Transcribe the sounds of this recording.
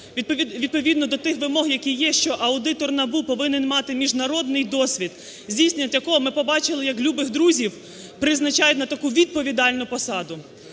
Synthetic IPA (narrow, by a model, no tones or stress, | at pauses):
ʋʲid̪̚pɔʋʲid̪nɔd̪ɔt̪ɪxʋɪmɔɦjɐkʲijːɛʃt͡ʃɔʔɐʊd̪ɪt̪ɔrnɐbupɔʋɪnɪnmɑt̪ɪmʲiʒnɐɾɔd̪nɪjd̪ɔsʲʋʲid̪ | zʲdʲijsenʲɐt̪jɐkɔɦɔmɪpɔbɑt͡ʃɪlˠɪjɐklʲubɪxd̪ɾuzʲiw | pɾɪznɐt͡ʃɑjʊtʲnɐt̪ɐkuʋʲid̪̚pɔʋʲid̪ɑlʲnʊpɔsɑd̪ʊ